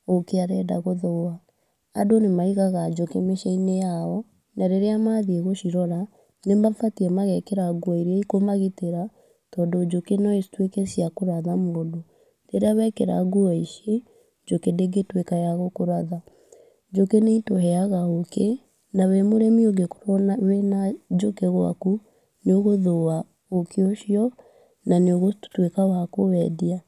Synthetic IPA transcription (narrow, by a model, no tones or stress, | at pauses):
okeaɾɛdaɣoðɔa | a̰donemaiɣaɣad͡ʒokemeʃainejaɔ | naɾeɾeamaðieɣoʃiɾɔɾa | nembafatiɛmaɣɛkeɾaɡuaiɾɛikomaɣiteɾa | tɔːdod͡ʒokenɔistwekɛsiakoɾaðamoodo | ɾeɾeaβɛkeɾa̰ɡuaiʃe | d͡ʒokedeɡetwekajaɣokoɾaða | d͡ʒokeneitoɦɛaɣaoke | nawɛmoɾɛmioɡeko̥ɾɔwenad͡ʒokeɣwa̰ku | neoɣoðoa | okeoʃiɔ | naneoɣotwekawakowɛdia